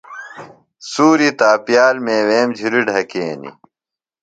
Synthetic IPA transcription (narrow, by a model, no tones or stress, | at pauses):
suːɾit̪aːpjaːlmeːweːmd͡ʑʱuɾiɖʱɐkeːnḭ